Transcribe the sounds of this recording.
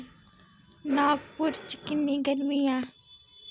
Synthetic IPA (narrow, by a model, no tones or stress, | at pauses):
naːɡ̚pʊɾt͡ʃkɪnːiɡəɾmijãː